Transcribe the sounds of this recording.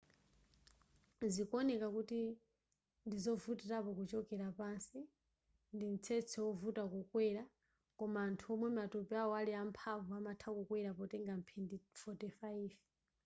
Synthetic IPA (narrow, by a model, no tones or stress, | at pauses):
zikɔnɛkakuti | ndizɔvutɛɾapɔkut͡ʃɔkɛɾapansi | ndin̩t͡sʰɛt͡sʰɛwɔvutakukwɛɾa | kɔmaːntʰuɔmwɛmatupɛawɔaliampʰavuamatʰakukwɛɾapɔtɛŋɡam̩pʰɛndifɔtifaiv